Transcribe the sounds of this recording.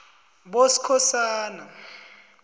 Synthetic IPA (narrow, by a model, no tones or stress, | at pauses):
ɓosi̥kʰɔsaːna